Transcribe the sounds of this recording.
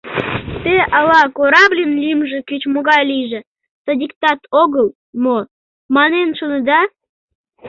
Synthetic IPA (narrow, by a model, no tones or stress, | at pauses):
t̪eʔɑlɑkoɾɑblʲinlimʒĕkyt͡ɕmoɣɑjliʒĕ | sodʲikt̪ɑt̪ʰoɣəlˠ | mo | mɑnenʃonə̆d̪ɑ